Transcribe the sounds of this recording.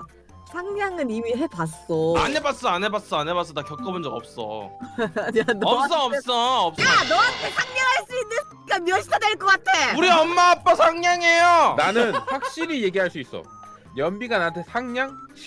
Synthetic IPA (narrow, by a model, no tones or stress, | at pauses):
sʰaŋɲaŋɯnimiɦepas͈ʌa̰nɦebat̚s͈ʌanɦebat̚s͈ʌanɦebats͈ʌdakjʌk͈ʌbɯnd͡ʑʌɡʌ̰p̚s͈ʌ̰ | ʌps͈ʌːps͈ʌːp̚sanʌantʰesʰaŋɲaŋɦaɭs͈uinːɯn | kamjʌɕʰidʰadweɭk͈ʌk͈at̚ʰeuɾiʌmːaːp͈ʌsʰaŋɲaŋe̞jonanɯnɸwak̚ɕ͈iɾije̞ɡiɦaɭs͈uis͈ʌ̰ | jʌmbiɡanantʰesʰaŋɲaŋʰ